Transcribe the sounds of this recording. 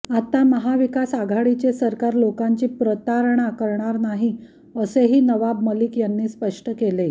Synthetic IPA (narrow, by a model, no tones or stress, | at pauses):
at̪aməɦaʋikasaɡʱaɽit͡ɕesəɾkaɾlokaɲt͡ɕiːpɾət̪aɾɳakəɾɳaɾnaɦi | əseɦiːnəʋabməliːkjanːiːspəʂʈəkele